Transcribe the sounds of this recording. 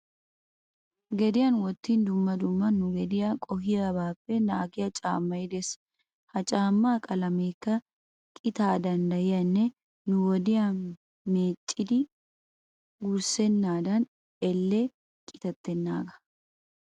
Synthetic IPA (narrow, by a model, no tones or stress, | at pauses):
ɡɛd̪ɪjɐnwɔt̪ːind̪ʊmːɐd̪ʊmːɐnːʊɡɛd̪ɪjakʼɔɦɪɾɐbaːpːɛnaːɡɪjɐt͡ʃʼa̰ːmːɐjɪd̪ɛs | hɐt͡ʃʼaːmːaːkʼɐlɐmeːkːɐ | kʼɪt̪aːd̪ɐnd̪ɐjɪjɐnːɛ | nʊwɔd̪ɪja | meːt͡ʃʼːɪd̪ɪ | ɡuɾsɛnːaːd̪ɐn | ɛlːe | kʼɪ̥t̪ɐt̪ːɛnːaːɡɐ̥